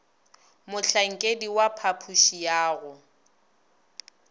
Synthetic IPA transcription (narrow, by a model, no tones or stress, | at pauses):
mʊɬaŋ̩kʼediwapʰapʰuʃijaːɣʊ